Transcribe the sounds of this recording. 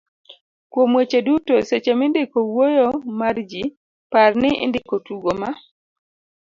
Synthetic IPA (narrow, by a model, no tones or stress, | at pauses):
kwomwet͡ʃedutoset͡ʃemɪndɪkowojomard͡ʒi | parnɪʔɪ̰ndɪkotuɡoma